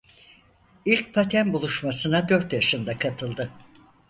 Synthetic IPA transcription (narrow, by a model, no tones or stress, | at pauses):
ilʲc̚pʰat̪ʰænbulˠuʃmasɯnad̪øɾt̪jaʃɯnd̪akʰat̪ʰɯlˠd̪ɯ